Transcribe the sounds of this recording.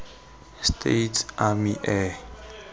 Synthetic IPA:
stʰḛtʰʔamiʔɛ

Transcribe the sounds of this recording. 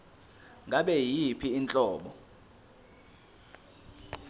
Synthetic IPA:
ŋɡʱaɓɛjipʰiːnt͡ɬʼɔːɓɔ

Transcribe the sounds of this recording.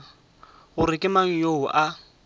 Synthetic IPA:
ɣʊɾɪkʼɪmaŋ̩joʊʔa

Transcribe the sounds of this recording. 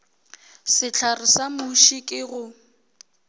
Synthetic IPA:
sɪt͡ɬʰarɪsamuʃikʼɪɣʊ

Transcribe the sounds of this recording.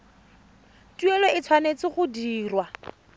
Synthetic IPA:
tuelɔɪt͡sʰwanet͡sɪχʊdiːrwa

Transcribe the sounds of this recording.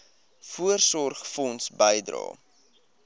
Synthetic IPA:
fuərsɔrχfɔnsbəjdrɑ̰ː

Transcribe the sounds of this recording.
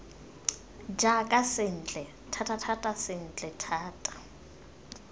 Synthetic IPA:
d͡ʒakʼasɪn̩ːt͡ɬʼɛ | tʰatʰʼatʰatʼasɪn̩t͡ɬʼɛtʰaːtʼḁ

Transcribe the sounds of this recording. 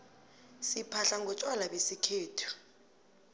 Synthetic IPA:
sipʰaɬaŋɡʱɔt͡ʃʼwalaɓesikʰeːtʰu̥

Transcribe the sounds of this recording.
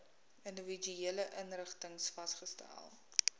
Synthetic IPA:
əndəvid͡ʒyeələʔənrəχtəŋsfɐstχəstæ̰lˠ

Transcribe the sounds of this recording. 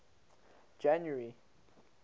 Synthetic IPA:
d͡ʒãnjəɹi

